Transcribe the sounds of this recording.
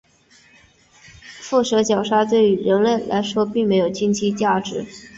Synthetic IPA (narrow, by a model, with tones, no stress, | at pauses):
fu˥˩ʂɤ˧˥t͡ɕjɑ˨˩ʊʂa˥t̪we˥˩ɪy˧˥ɻə˧˥nlə˥˩nlʔa̰˧˥ɪʂwɔ˥pi˥˩ŋme˧˥ɪjo˨˩ʊt͡ɕi˥nt͡ɕʰi˥t͡ɕja˥˩ʈ͡ʂɻ̩˧˥